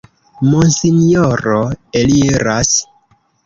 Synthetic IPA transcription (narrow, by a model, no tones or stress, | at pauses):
monsinjoɾoeliɾas